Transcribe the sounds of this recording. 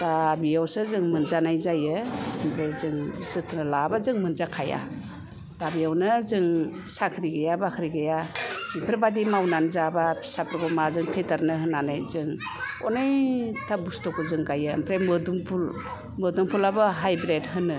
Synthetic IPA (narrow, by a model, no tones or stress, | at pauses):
dabijawsɯzɯŋmɯnzanajzajɯːmpʰɾejzɯŋzɯtʰnɯlabazɯŋmɯnzakʰaja̰ | d̥abijawnɯzɯŋ | sakʰɾiɡajabakʰɾiɡajaipʰɾebadimawnanzabasapʰɾɡɔmazɯŋpʰetaɾnɯɦɯnːanajzɯŋɔ̰nɯjtʰabustɔkɔzɯŋɡajɯ̰ːmpʰɾemɯduŋpʰul | mɯduŋpʰulabɯɦajbɾedɦɯnːɯ